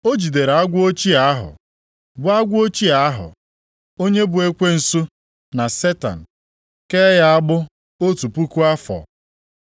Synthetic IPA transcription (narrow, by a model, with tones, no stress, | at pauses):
o˦d͡ʒi˨de˨ɾa˦ɡʷo˦t͡ʃi˦a˦ɦʊ̰˨ | bʊ˨a˦ɡʷo˦t͡ʃi˦a˨˦ɦʊ̰˨ | o˦ɲe˦bʊ˨e˦kʷe˦n̩˨su˦ | na˨se˦ta̰˨n̩˨ | ke˦ja˦a˦ɡ͡bʊ˦ | o˦tu˨pu˦ku˦a˦fɔ̰˨